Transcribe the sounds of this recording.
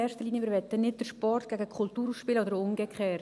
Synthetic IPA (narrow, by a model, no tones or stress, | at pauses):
ɛːɾʃtəliːnjəʋɪːɾʋɛt̪ːənɪt̚d̥əɾʃpɔrtɡ̥æɡəkʰχʊltuːɾusʃpɪːləodəɾʊŋɡekχɛː